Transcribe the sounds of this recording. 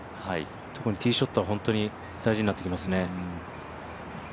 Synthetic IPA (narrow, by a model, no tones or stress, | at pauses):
hai | t̪ʰo̞kɯ̟ɲ̟it̪ʲiːɕo̞t̪ːoβaɦõ̞nt̪o̞ɲ̟i | d̪̥aiʑiɲ̟inat̪ːekʲimasɨne̞